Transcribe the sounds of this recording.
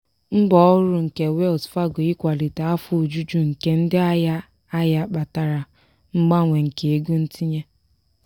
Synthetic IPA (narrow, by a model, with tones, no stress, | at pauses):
ŋ͡m̩˦ɡ͡bɔ˦ɔ˦ɾʊ˨ŋ̩˨ke˨we˦ɔ˨sfa˦ɡʊ˨i˦kʷa˨li˨ta˨a˦fʊ˨d͡ʒu˦d͡ʒu˦ŋ̩˨ke˦n̩˦dɪ˦a˦ja˦ | a˦ja˦k͡pa˨ta˨ɾa˨ | ŋ͡m̩˦ɡ͡ba˦ŋʷe˨ŋ̩˨ke˨e˦ɡu˦n̩˦ti˦ɲe˦